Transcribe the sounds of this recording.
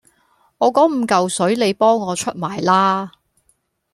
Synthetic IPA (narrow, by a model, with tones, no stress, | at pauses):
ŋɔː˨˧kɔː˨˥ŋm̩ː˨˧kɐ˨wsɵ˨˥ɥle˨˧jpɔː˥ŋːɔː˨˧t͡ʃʰɵ˥t̚maː˨˩jlaː˥